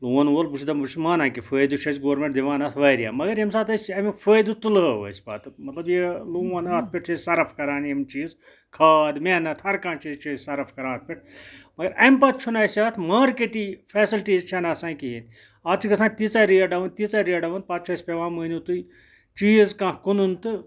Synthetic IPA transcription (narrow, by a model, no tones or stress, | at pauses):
luɐnʋolbut͡ʃʰd̪ɐbut͡ʃʰimaːnãːkifəːjd̪ut͡ʃʰɐsʲɡoːɾmẽɳʈd̪iʋaːnɐt̪ʰʋɐːɾija̰ːmɐɡɐɾjemsaːt̪ɐsʲɐmfʰəːjd̪ut̪uləʋɐ̰sʲpa̰ːt̪mɐt̪lɐbjeluːʋɐnaːt̪̚ʰpʲiʈ̚ʰt͡ʃʰɐzsɐɾɐfkɐɾaːnɐmt͡ʃiːz | kʰaːd̪meːnɐt̪ʰhɐɾkãːnt͡ʃiːzt͡ʃʰiːzsɐɾɐfkɐɾãːt̪̚pʲiʈ̚ʰmɐɡɐɾɐ̰mʲpaːt̪̚t͡ʃʰunaːsʲaːt̪ʰmaːɾkeʈifʰeːsilʈiːzt͡ʃʰɐnɐːsãːnkiɦin | aːt̪t͡ʃʰikɐsãːnt̪it͡saːɾiɐɖɐʋɐnt̪it͡saːɾiɐɖɐʋɐn̚paːt̪̚t͡ʃʰɐsʲpeʋãːmɨnut̪ui | t͡ʃiːzkãːkununt̪ɨ